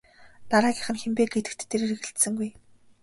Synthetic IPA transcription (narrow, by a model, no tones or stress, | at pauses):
t̪aɾaːɡʲĭχə̆nxempeːɡɡet̪ɘ̆kt̪t̪ʰːeɾeːɾĕɣĕɬt̪sɘ̆ŋɡuj